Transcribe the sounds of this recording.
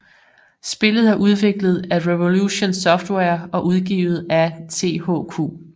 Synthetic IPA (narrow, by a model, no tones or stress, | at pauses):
sb̥e̝lð̞̩ˠhɑ̈ʔuð̞ˠʋe̝ɡ̥ləð̞̩ˠæʁeʋo̝luɕo̝nsɒ̽fd̥weɐɒ̽ʔuð̞ˠɡ̥ḭːʊð̩ˠæt͡sʰe̝̰ːho̰ːkʰo̝̰ː